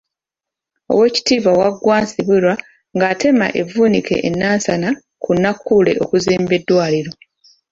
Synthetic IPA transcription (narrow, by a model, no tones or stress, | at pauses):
o̞̰we̞ːci̥tiːβawaɡwaːnsiβuɾwa | ŋɡaːte̞ma̰ʔe̞vuːnike̞̰ʔːnːaːnsana | kunːakːule̞ʔo̞kuziːmbe̞dːwaːliɾo̞